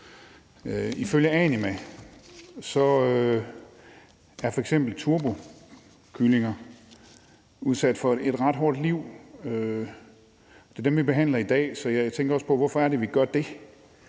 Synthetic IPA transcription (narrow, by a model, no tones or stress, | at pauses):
øiføljəɛnimæ | sɒ̽ø | æɐfɒeɡ̥sem̰b̥l̩t͡sʰuɐb̥o̝ | kʰyle̝ŋɐ | uð̞ˠsæd̥fɒ̽e̝d̥ʁɑ̈d̥ɦɔɐd̥liʊ̰ø | ɒd̥e̝d̥emʋib̥e̝ɦæn̰lɐid̥ɛ̰ːsɒ̽jat͡sʰeŋɡ̥ɐɒ̽spʰɒ̽ʋɒfɒæɐɾe̝ʋiɡ̥ɶɐd̥e̝